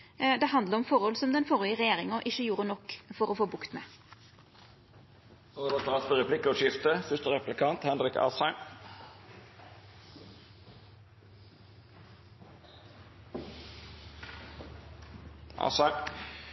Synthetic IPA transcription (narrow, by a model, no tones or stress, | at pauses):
d̪ɛhɑnd̪ləɾɔmfɔɾhɔlsɔmd̪ɛnfɔʁɪəʁɛjeːɾɪŋəʔɪçːəjuːɾənɔkːfɔɾɔfoːbʊkt̪mɛ̰ː | od̪ɑst̪ɑːsfəɾɛpʰlɪkːəɔʃɪft̪əfʏt̪əɾʁɛplɪkʰɑnt̪hɛnɾɪkɑ̰sæɪ | ʔɑ̰sæ